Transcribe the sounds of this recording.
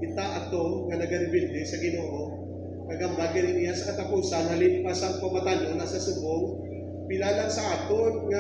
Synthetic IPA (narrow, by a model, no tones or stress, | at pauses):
ɪt̪aʔɐt̪oŋɐnɐɡɐɾɪbɪnd̪ɪsɐɡɪnoːʔo | kɐɡɐmb̪aɡɐnɪnɪjasɐkɐt̪apuːsanɦɐlɪmpasɐŋpɐmat̪anonɐsɐsʊboŋ | pɪlalaŋsɐʔaːt̪onŋa